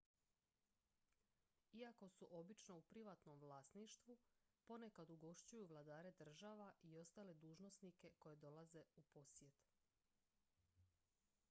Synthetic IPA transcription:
iako̞suʔo̞bit͡ʃno̞upɾiʋat̪no̞mʋlˠaːst̪niʃt̪ʋupo̞ne̞kad̪uɡo̞ʃt͡ɕujuʋlˠad̪aːɾe̞d̪r̩ʒaːʋaʔio̞st̪aːle̞d̪uːʒno̞snike̞ko̞je̞d̪o̞lˠaze̞upo̞sje̞t̪

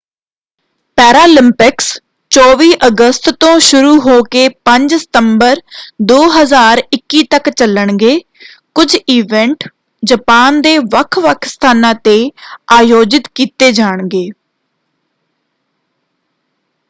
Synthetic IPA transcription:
pɛːɾaːlɪmpɪks | t͡ʃɔːʋiːʔəɡəst̪t̪õːʃʊɾuːɦoːkeːpəɲd͡ʒsɪ̥t̪əmbəɾd̪oːɦəzaːɾɪkːiːt̪əkt͡ʃələɳɡeː | kʊd͡ʒiːʋɛ̃ɳʈ | d͡ʒəpaːnd̪eːʋəkʰʋəkʰst̪ʰaːnãːt̪eːaːjoːd͡ʒɪt̪kiːt̪eːd͡ʒaːɳɡeː

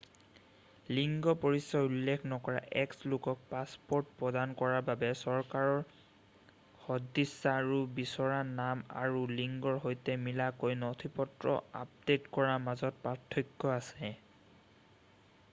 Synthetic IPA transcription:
liŋɡɔpɔɹisːaulːekʰnɔkɔɹa̰ʔɛkslokɔk̚paspɔɹtpɹɔdankɔɹababɛsɔɹkaɹɔɹ | xɔdːisːaːɹubisɔɹanama̰ɹuliŋɡɔɹɦojtɛmilakojnɔtʰipɔtɹɔ̰a̰p̚detkɔɹamazɔt̚patʰːɔjkːɔasɛ

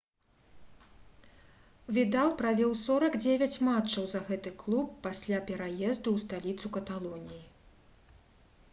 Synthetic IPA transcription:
vʲid̪alˠpɾavʲɔwsɔɾɐɡd͡zʲevʲɐt͡sʲmat͡ʂɐwzɐɣɛt̪ɨklˠupːasʲlʲapʲɛɾajɛzd̪uwst̪alʲit̪sukɐt̪alˠɔnʲiji

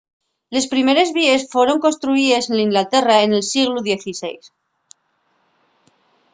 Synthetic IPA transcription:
le̞spɾime̞ɾe̞zβie̞sfwe̞ɾo̞ŋko̞nst̪ɾuiese̞nlaiŋɡlat̪e̞raene̞lsiɣluðje̞θise̞̰js

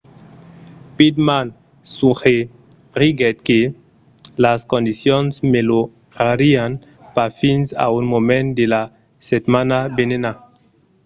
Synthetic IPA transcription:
pid̪man | suχe | ʁiɡɛt̪̚ke | laskõnd̪isjonsmelo | ʁaɾian | paɾfinsa̰unmomẽnd̪ela | set̪manabenena

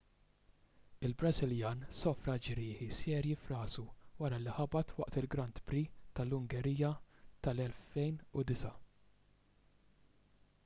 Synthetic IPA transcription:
ɪlbɾɐzɪljɐːnsɔfɾɐd͡ʒɾɪːħisɛːɾjifɾɐːzuwɐɾɐliħɐbɐt̪wɐ̰ʔt̪ɪlɡɾɐnt̪bɾit̪ɐlːʊŋɡɛɾiːjːɐt̪ɐlɛlfɛjnʊd̪ɪsɐ

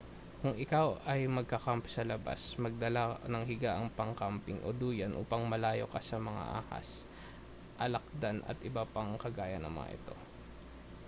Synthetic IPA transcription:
kʊŋʔɪkawɐjmɐɡ̚kɐkampɪsɐlɐba̰smɐɡ̚d̪ɐlanɐŋɦɪɡaʔɐŋpɐŋkampɪŋʔo̰d̪uːjɐnʔṵːpɐŋmɐlaːjo̞kɐsɐmɐŋa̰ʔa̰ːha̰s | ʔɐlɐk̚d̪anʔɐ̰t̪ʔɪbapɐŋkɐɡaːjɐnɐ̰ŋmɐ̰ŋa̰ʔɪ̰t̪o̞

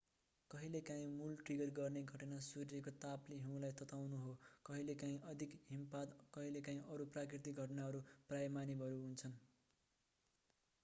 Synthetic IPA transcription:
kʌɦilekaĩmulʈriɡʌrɡʌrneɡʱʌʈʌnasuɾijekot̪apliɦũw̃lajt̪ʌt̪awnuɦokʌɦilekaĩʔʌd̪ʱikɦimpad̪kʌɦilekaĩʔʌɾuprakrit̪ikɡʱʌʈnaɦʌɾuprajmanibʱʌɾuɦunt͡sʰʌn

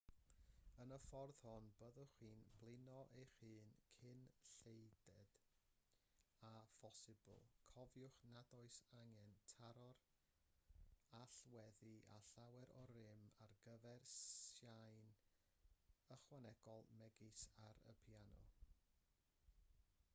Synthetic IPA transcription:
ənəfɔrð̥hɔnbəðɔχwiːnb̥lˠɪnɔʔejχɨːnkʰɪnɬejdɛd̥ | afɔsɪbə̰lˠkʰɔvjʊχnadɔɨsaŋɛntʰaɾɔr | aɬwɛðiʔa̰ɬawɛɾɔɾɪmarɡəvɛrsjajn | əχwanɛɡ̥ɔlˠmɛɡɪsaɾə̰pʰjanɔ̰

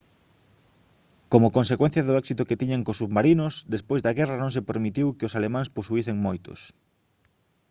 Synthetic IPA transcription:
komʊkonsekwɛ̃n̟θjɐðʊɛksit̪ʊket̪iɲaŋkosuβmaɾinʊsd̪espojzd̪ɐɣɛranõŋsepeɾmit̪iwkɪosalemãŋsposuiθeŋmojt̪ʊ̰s

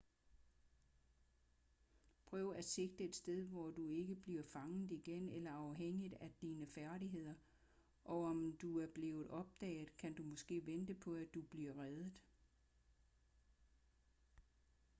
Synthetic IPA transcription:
pʰʁœːʊæ̥se̝ɡ̥̚d̥əe̝d̥sd̥eð̞ˠʋɒd̥ue̝ɡ̥əb̥liɐfɑ̈ŋð̩ˠiɡ̥enelɐɑ̈ʊɦeŋ̰id̥æd̥iːnəfæɐɾiɦe̝ð̞̰ˠɐ | ʔɒ̽ɒ̽md̥uæɐb̥le̝ːʊð̩ˠɒ̽b̥̚d̥ɛ̰ːɪð̩ˠkʰænd̥umɔ̽sɡ̥e̝̰ːʋend̥əpʰɒ̽æd̥ub̥liɐ̰ʁɛðˠð̩ˠ

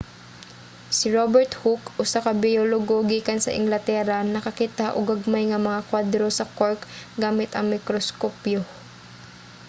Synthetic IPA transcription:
sɪɹobɛɹt̪hukʔʊsakɐbɪjoloɡoɡiːkɐnsɐ̰ʔɪ̰ŋlɐt̪ɛːɾanɐkɐkit̪aʔo̰ɡɐɡ̚majŋɐmɐŋakwad̪ɾo̞sɐkoɹkɡaːmɪt̪ɐŋmɪkɾoskopjo

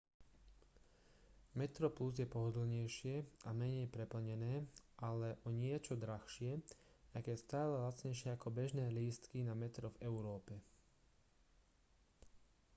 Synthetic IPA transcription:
mɛt̪ɾɔpluzjɛpɔɦɔd̪l̩ɲɛjʃɪɛamɛɲɛjpɾɛpl̩ɲɛnɛːʔalɛʔɔɲɪɛt͡ʃɔd̪ɾaxʃɪɛ | aɡjɛst̪aːlɛlat͡sɲɛjʃɪɛakɔbɛʒnɛːliːst̪kinamɛt̪ɾɔvɛʊɾɔːpɛ

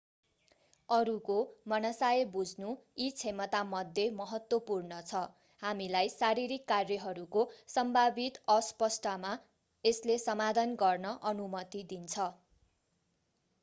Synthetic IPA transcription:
ʌɾukomʌnʌsajebud͡zʱnuit͡sʰemʌt̪amʌd̪ʱːemʌɦʌt̪wʌpurnʌt͡sʰʌ | hamilajsaɾiɾikːarjʌɦʌɾukosʌmbʱabit̪ʌspʌsʈama | eslesʌmad̪ʱʌnɡʌrnʌʔʌnumʌt̪id̪int͡sʰʌ

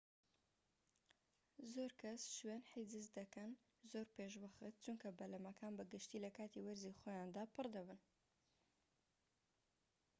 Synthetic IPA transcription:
zoɾkʰɐsʃwenħid̪ɨsd̪ɐkɐn | zoːɾpeʃ̬wɐxɨt̪̚t͡ʃuŋkɐbɐlɐmɐkʰaːnbɨɡɨʃt̪iːlɐkaːt̪ʰiwɐɾziχoːjand̪aːpɨrd̪ɐbɨn

